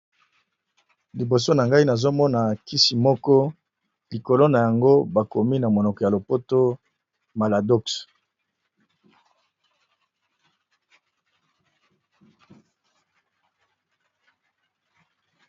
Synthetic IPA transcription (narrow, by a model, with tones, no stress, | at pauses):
li˨bo˨s̬o˦na˨ŋɡa˦i˦na˨zo˦mɔ˦na˨ki˦si˨mɔ˦kɔ˦ | li˨ko˨lo˦na˨ja˨ŋɡo˦ba˨ko˨mi˦na˨mo˨nɔ˨kɔ˨ja˨lo˨po˦to˦ | ma˨la˨dɔ˦ks